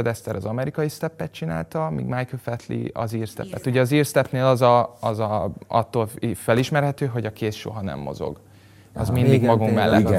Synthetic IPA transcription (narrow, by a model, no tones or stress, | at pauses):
d̪ɛst̪ɛɾɒzɒmɛɾikɒjist̪ɛpːɛt̪̚t͡ʃina̰ːlt̪ɒmḭːɡmajklfɛt̪lḭɒ̰ziːrst̪ɛ̰pːɛt̪uɟɛɒziːrst̪ɛpneːlɒzɒɒzɒɒt̪ːoːlfɛliʃmɛrɦɛt̪øːɦo̞ɟɒkʰeːsʃo̞̰ɦɒnɛ̰mːo̞̰zo̞̰ɡ | ɒ̰zmind̪iɡmɒɡuŋkmɛlːɛ̰t̪